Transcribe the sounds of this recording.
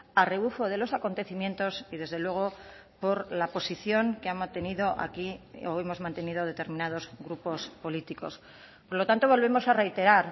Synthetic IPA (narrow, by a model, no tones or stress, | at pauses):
are̞βufo̞ð̞e̞lo̞sako̞nt̪e̞θimjẽ̞nt̪o̞siðe̞zðe̞lwe̞ɣ̞o̞ | po̞ɾlapo̞siθjo̞ŋkeamãnt̪e̞niðo̞ʔa̰kioemo̞zmãnt̪e̞nið̞o̞ðe̞t̪e̞ɾmĩnað̞o̞zɣɾupo̞spo̞lit̪iko̞̰s | po̞ɾlo̞t̪ant̪oβo̞lβe̞mo̞sare̞jt̪e̞ɾaɾ